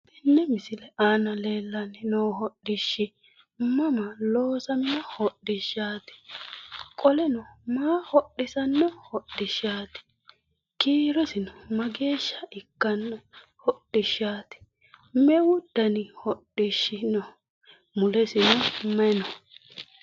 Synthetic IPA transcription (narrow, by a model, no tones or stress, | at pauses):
ɪnːɛmɪsɪlɛʔaːnɐleːlːɐnɪnoːɦɔɗːɪʃːɪ | mɐmɐloːsɐmɪnɔhɔɗːɪʃːaːt̪ɪ̥ | kʼɔlɛnɔmaːhɔɗːɪsɐnːɔhɔɗːɪʃaːt̪ɪ̥ | kiːɾɔsɪnɔmɐɡe̞ːʃːɐɪkːɐnːɔ | hɔɗːɪʃːaːt̪ɪ̥ | mɛwʊd̪̥ːɐnɪhɔɗːɪʃːɪnɔ | mʊlɛsɪnɔmɛnɔ